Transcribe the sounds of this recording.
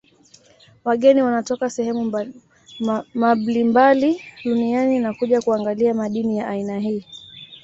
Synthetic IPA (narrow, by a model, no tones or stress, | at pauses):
waɠɛniwanatɔkasɛhɛmu | maɓlimbaliɗunianinakuʄakuaŋɡaliamaɗinijaʔainaɦiː